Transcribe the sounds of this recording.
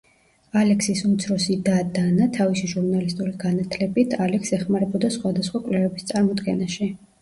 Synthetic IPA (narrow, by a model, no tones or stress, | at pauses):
alɛksisumt̪sʰɾɔsid̪ad̪anat̪ʰavisiʒuɾnalist̪ʼuliɡanat̪ʰlɛbit̪ʰalɛksɛχmaɾɛbɔd̪asχwad̪asχwakʼwlɛvɛbist̪sʼaɾmɔd̪ɡɛnaʃi